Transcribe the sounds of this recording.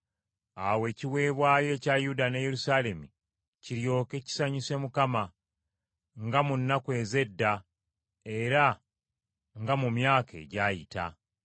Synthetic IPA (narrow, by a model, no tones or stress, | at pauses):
awe̞ːciwe̞ːβwaːje̞ːcajudaneje̞ɾusale̞mi | ciɾjo̞ːke̞ci̥saɲise̞mukama | ŋɡamunːakwe̞ːze̞dːa | eɾa | ŋɡamumjaːke̞̰ɟaːjita̰